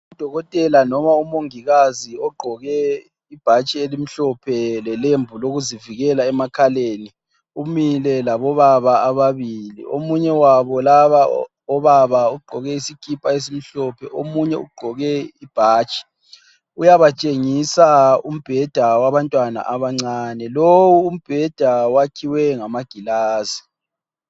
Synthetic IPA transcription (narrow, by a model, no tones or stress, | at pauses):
ud̥ʱɔɣɔtʼɛlanɔmaumoŋiɣaziɔɡ͡ǃʱɔɣɛ | ib̥ʱat͡ʃʼielim̩ɬɔpʰɛlɛlembʱuloɣuziviɣɛlaɛmakʰaleni | umilɛlaβɔβaβaːβaβilḭo̰muɲɛwaβɔlaβa | ɔβaβauɡ͡ǃʱɔɣɛisikʰipʼaesim̩ɬɔpʰɛʔomuɲɛṵɡ͡ǃʱɔɣɛib̥ʱaːt͡ʃʼi̥ | ujaβat͡ʃʼeŋisaum̩b̥ʱɛd̥ʱawaβantʼwana̰ʔaβaŋ͡ǀaːnɛlowuːm̩b̥ʱɛd̥ʱawakʰiwɛŋamaɡ̥ʱilaːzi̥